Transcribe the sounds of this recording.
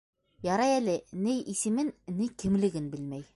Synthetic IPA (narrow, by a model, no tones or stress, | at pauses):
jɑɾɑjælɘnɘjʔisɘ̆mɘnnɘjkɘ̆mlɘ̆ɡɘnbɘ̆lmæj